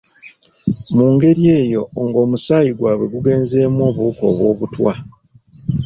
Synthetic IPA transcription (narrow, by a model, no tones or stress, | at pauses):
muːŋɡe̞ɾie̞ːjo̞ŋɡo̞ːmusaːjiɡwaːβe̞ɡuɡe̞ːnze̞ːmwo̞ːβuuko̞̰ːβwo̞ːβutwa̰